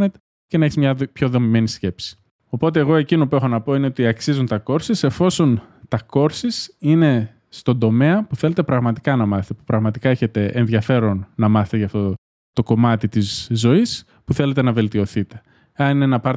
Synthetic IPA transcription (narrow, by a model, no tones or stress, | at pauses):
net̪ | cenɐeçizmɲɐpço̞ðo̞mime̞nisce̞psi̥ | o̞po̞t̪̬e̞ːɣo̞e̞cino̞pue̞xo̞nɐpo̞ine̞o̞t̪iɐksizunt̪ɐko̞ɾsise̞fo̞so̞nt̪ɐko̞ɾsisine̞ | st̪o̞nd̪o̞me̞ɐpuθe̞let̪e̞pɾɐɣmɐt̪i̥kɐnɐmɐθe̥t̪epupɾɐɣmɐt̪ikɐe̞çe̞t̪e̞enðʝɐfe̞ɾonːɐmɐθet̪eʝɐft̪o̞ | t̪o̞ko̞mɐt̪it̪izzːo̞is | puθe̞le̞t̪̬e̞nɐve̞lt̪io̞θit̪e̞̥ | ɐninenɐpɐɾ